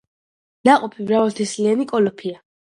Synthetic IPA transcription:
naqʼɔpʰivɾavalt̪ʰislianikʼɔlɔpʰia

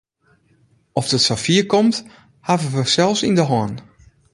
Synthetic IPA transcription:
ɔfd̥ətsafiəkɔmt | havəʋəsɛlˠfsḭndəɦɔn

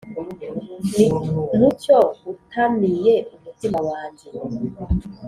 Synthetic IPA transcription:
nucoutʰamijeumutimawaːɲɟe

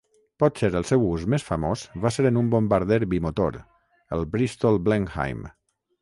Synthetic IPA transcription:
pɔt̪seɾəlˠsɛwuzmesfamozβaseɾənumbombaɾðɛɾbimot̪o̰ɾ | əlˠbɾist̪olˠblɛŋha̰jm

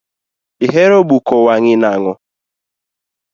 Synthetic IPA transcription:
iɦeɾoɡ͡bukɔwaŋɪnaŋʊ

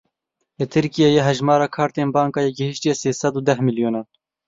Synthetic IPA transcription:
lɨt̪ʰɨɾkijejeɦɛʒmɑːɾɑːkʰɑːɾt̪eːnbɑːŋkɑːjeɡɛhiʃt̪ijɛseːsɛd̪uːd̪ɛhmiljoːnɑːn

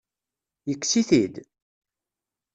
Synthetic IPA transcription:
jəkːsiθid̪

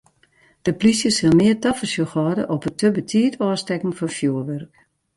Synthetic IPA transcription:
d̥əplisjəsɪlˠmɪərtɔfəsjoxɔːdə̰ʔɔpətəbətʰiːətʰɔːstɛkŋ̩fɔnfjuːərʋɛrk

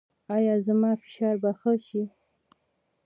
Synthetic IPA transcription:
ɑjɑzamɑfɪ̥ʃɑɾbaxəʃi

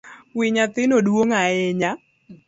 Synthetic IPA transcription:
wɪɲat̪ɪnodwoŋaɛɲa

